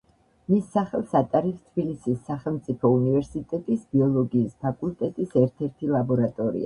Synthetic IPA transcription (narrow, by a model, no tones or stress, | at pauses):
misːaχɛlˠsat̪ʼaɾipst̪ʰb̥ilisisːaχɛlˠmt̪sʼipʰɔunivɛɾsit̪ʼɛt̪ʼisbiɔlˠɔɡiːspʰakʼulˠt̪ʼɛt̪ʼisɛɾt̪ʰɛɾt̪ʰilˠabɔɾat̪ʼɔɾḭa̰